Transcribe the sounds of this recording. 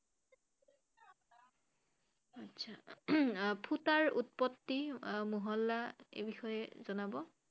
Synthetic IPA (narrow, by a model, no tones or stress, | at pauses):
atsʰa | pʰutaɹut̚pɔtːimuɦɔlːaḛbixɔjɛzɔnabɔ